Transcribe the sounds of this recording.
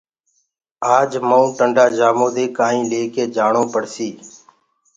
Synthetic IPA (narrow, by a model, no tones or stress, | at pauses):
aːd͡ʒməũːʈəɳɖaːd͡ʒaːmõːd̪eːkaːĩːleːkeːd͡ʒaːɳõːpəɽsiː